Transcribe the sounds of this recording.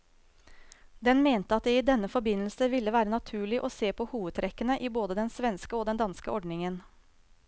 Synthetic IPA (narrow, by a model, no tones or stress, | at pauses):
d̪ɛnmeːnt̪əɑt̪̚d̪ɛiːd̪ɛnːəfɔɾbɪnəl̩səʋɪlːəʋæːɾənɑt̪ʰʉːɭɪʔoːseːpʰɔːhuːʋəd̪t̪ʰɾʔɛkːənəʔiːboːd̪əd̪ɛnsʋɛnskəoːd̪ɛnd̪ɑnskəʔɔɖɳɪŋən